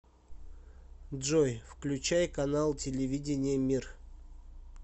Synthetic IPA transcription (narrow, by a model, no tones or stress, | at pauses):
dʐojfklʲʉt͡ɕæjkɐnalˠtʲɪlʲɪvʲidʲɪnʲɪjəmʲir